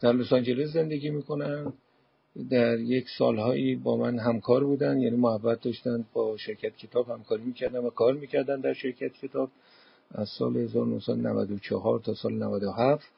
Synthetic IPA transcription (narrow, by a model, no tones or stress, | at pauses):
d̪̥æɾlosɒnd͡ʒe̞les̬ze̞nd̪e̞ɡʲiːmiːko̞næn | d̪æɾje̞csɒ̰ːlhɒːʔiːbɒːmænɦæmkʰɒːɾbuːd̪ænd̪jæːniːmohævːæt̪̚d̪ɒʃt̪ænd̪̚bɒːʃe̞ɾcʰæt̪̚cʰe̞t̪ʰɒːb̥hæmkʰɒːɾiːmiːcʰæɾd̪ænvækʰɒːɾmiːcʰæɾd̪ænd̪æɾʃe̞ɾcʰæt̪̚cʰe̞t̪ʰɒːb̥̚ | ʔæzsɒ̰ːlehe̞zɒːɾonohsæd̪onæ̰væ̰d̪ot͡ʃʰɒɦɒːɾt̪ʰɒːsɒːlenævæd̪ohæft̪